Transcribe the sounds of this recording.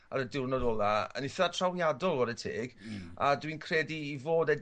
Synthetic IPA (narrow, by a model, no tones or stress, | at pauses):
aɾədɪrnɔdɔlˠaə̰nɪθatʰrawjadɔlˠɔɾətʰeːɡ̥a̰dwinkʰrɛdiːvoːdɛ